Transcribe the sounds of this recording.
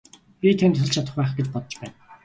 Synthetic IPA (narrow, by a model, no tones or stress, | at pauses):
pʲit̪ʰænt̪ʰːɵ̆ɮt͡ɕʰat̪ə̆χpæːχɡet͡ɕpɔt̪ɞ̆t͡ɕpæ̰ːn